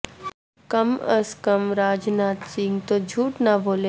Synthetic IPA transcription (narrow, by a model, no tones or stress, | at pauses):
kɐməskəmɾaːd͡ʒnaːt̪siŋɡt̪od͡ʒʱuːʈnaboːle